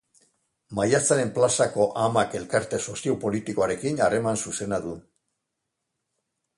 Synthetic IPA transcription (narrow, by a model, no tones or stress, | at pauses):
majat͡saɾe̞mplasako̞ʔamake̞lkaɾt̪e̞so̞siowpo̞lit̪iko̞aɾe̞kinare̞mansuse̞naðu